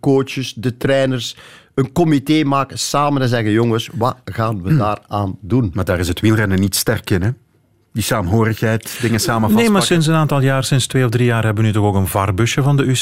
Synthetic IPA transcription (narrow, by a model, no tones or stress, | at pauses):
koːt͡ʃəsdətɾɛːnərs | ənkɔmiteːmaːkəsaːmənɛzɛɣəjɔŋəsʋɑɣaːnʋədaːraːndunmaːdaːɾɪsətʋilˠrɛndənitstɛrkɪnɛ | disaːmɦoːɾəxɦɛjtdɪŋəsaːməneːmaːsɪns̬ənaːntɑlˠjaːrsɪnstweːɔvdrijaːrɦɛbəʋənyːtɔxoːkənvɑrbʏʃəvɑndəys